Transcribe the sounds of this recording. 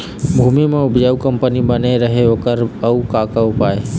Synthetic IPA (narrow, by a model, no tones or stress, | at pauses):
bʱuːmimẽʊbd͡ʒəukəmpənibəneɾəɦeɦoːkəɾəukaːkaʊpaːe